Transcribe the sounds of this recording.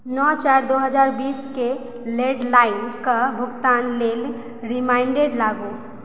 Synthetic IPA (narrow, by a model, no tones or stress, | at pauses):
nɔt͡ʃaɾd̪oɦəd͡ʒaɾbiːske | leɖlaɪnkabʱʊɡt̪anlel | ɾimaɪɳɖeɖlaɡo